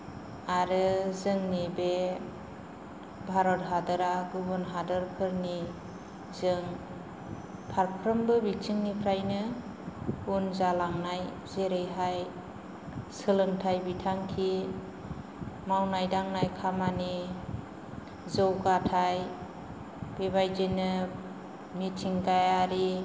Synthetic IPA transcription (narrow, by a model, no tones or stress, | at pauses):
aɾɯzɯŋnibe | bʱaɾɔt̚ɦadɯɾaɡuβɯnɦadɯɾpʰɯɾni | zɯŋ | pʰaɾpʰɾɔmbɯbit͡ʃʰiŋnipʰɾajnɯ | unzalaŋnaj | zeɾɯjɦaj | sɯlɯŋtʰajbitʰaŋkʰi | mawnajdaŋnajkʰamani | zɔwɡatʰaj | b̥eβajzenɯ | mitʰiŋkajaɾi